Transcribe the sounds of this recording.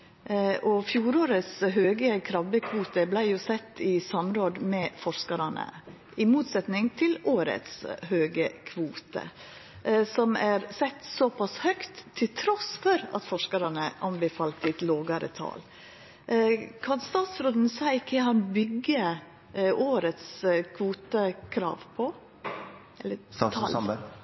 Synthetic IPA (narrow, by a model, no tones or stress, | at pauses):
ʔɔfjuːɾoːɾət̪sɦøːɡəkʰɾɑbəkʰʋuːt̪əblæɪjʊsɛt̪ːɪsɑmɾoːd̪mɛfɔʂkɑɾɑnə̰ | ʔɪmuːt̪sɛt̪nɪŋt̪ʰɪloːɾə̰t̪shøːɡəkʰʋuːt̪ə̰ | sɔmæɾsɛt̪ːsɔpʰɑshœkt̪ʰːɪlt̪ʰɾɔsfɔɾɑ̰t̪fɔʂkɑɾɑnəʔɑnbəfɑːlt̪ɪt̪loːɡɑɾə̰t̪ʰɑ̰ːl | kʰɑnst̪ɑːt̪sɾoːd̪n̩sæɪkʰːəhɑnbʏɡə | ʔoːɾət̪skʰʋuːt̪əkʰɾɑ̰ːʋpʰɔ | ɛlːəl